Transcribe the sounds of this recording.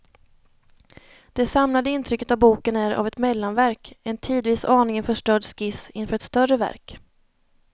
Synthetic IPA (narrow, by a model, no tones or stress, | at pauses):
d̪̥ɛsamlad̪əɪnt̪ʰɾʏkːət̪avbuːkənæɾa̰vɛt̪mɛlːanvæɾkɛnt̪ʰiːd̪viːsɑːɳɪŋənfœʂʈœːɖskɪsɪnfœːɾɛt̪st̪œrəvæ̰ɾk